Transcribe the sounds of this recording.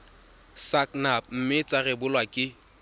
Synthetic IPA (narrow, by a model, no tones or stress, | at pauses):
saknap̚m̩mɪt͡sʼarɪbʊlwakʼɪ